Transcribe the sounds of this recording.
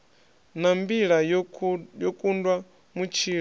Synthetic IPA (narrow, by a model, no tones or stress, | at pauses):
nambiɺa | jɔkʼundwa | mut͡ʃʰiː